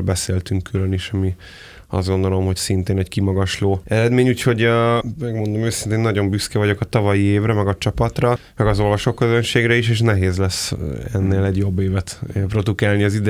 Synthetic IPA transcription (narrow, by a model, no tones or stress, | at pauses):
bɛseːlt̪yŋkːyløniʃɒmi | ɒ̰zd̪ɡo̞nd̪o̞lo̞mho̞csint̪eːnɛckimɒɡɒʃloːɛɾɛd̪meːɲuːcho̞ɟmɛɡmo̞nd̪o̞møːsint̪eːnːɒɟo̞mbyskɛvɒɟo̞kɒt̪ɒvɒjieːvrɛmɛɡɒt͡ʃɒpɒt̪rɒ | mɛɡɒzo̞lvɒʃo̞kːøzønʃeːɡɾɛiʃeːʃnɛɦeːzlɛsɛ̰nːeːlɛɟjo̞bːeːvɛt̪ːpro̞d̪ukaːlniɒzid̪ɛ